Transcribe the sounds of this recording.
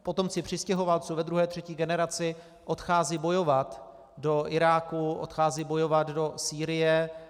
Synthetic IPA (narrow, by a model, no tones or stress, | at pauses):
po̞t̪o̞mt͡sɪpr̝̥ɪscɛɦo̞valt͡suvɛd̪ɾuɦɛːt̪r̝̥ɛciːɡɛnɛɾat͡sɪ | ʔo̞t̪xaːziːbo̞jo̞vat̪ | do̞ʔɪɾaːkuʔo̰t̪xaːziːbo̞jovad̪do̞siːɾɪjɛ